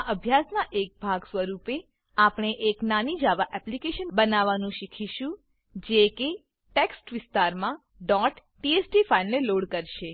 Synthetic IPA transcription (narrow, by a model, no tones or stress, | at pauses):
aʔəbʱjasnaʔek̚bʱaɡsʋəɾupe | apɳ̃eʔeknanid͡ʒaʋaʔɛplikeʃənbənaʋanũʃikʰiʃũ | d͡ʒeke | ʈeksʈʋɪst̪aɾmã | ɖɔʈːiesʈifaineloɽkəɾʃe